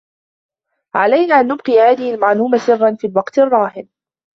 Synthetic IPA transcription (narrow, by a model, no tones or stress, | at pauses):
ʕalajnaːʔanːʊb̚qihaːðɪhɪlmaʕluːmasɨrˤːɑnfiːlwɑqt̪ɑrˤːɑːhɪn